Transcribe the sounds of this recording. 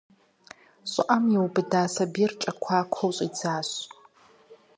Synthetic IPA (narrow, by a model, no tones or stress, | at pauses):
ɕʼɪʔɐmjɛwbɨdaːsɐbiːrt͡ʃʼɐkʷʰaːkʷʰɐwɕʼiːd͡zaːɕ